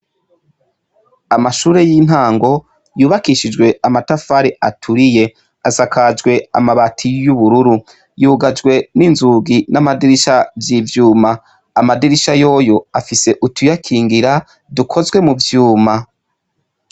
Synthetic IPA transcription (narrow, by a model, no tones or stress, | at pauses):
amaʃuːɾe̞jiːn̥haːŋɡo̞ | juːβakiʃid͡ʒɡwe̞amatafaɾeʔatʰuɾije̞ | asakad͡ʒɡwe̞a̰maβatʰijuβuɾuɾu | juːɡad͡ʒɡwe̞ninzuɡinamadiɾiʃavjivjuːmaː | madiɾiʃajo̞ːjo̞afise̞ʔutujakʰiːŋɡiɾa | dukʰo̞zɡwe̞muvjuːma